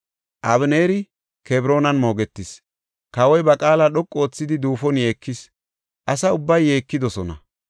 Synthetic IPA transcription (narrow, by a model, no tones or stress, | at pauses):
ʔɐβne̞ːɾɪ | kebɾo̞ːnɐnmo̞ːɡɛt̪ːɪs | kɐwɔjbɐkʼaːlaɗɔkʼːo̞ːt͡sːɪd̪ɪd̪uːfɔnje̞ːkːɪs | ʔɐsɐʊbːɐjːeːkːɪd̪ɔsɔnɐ̰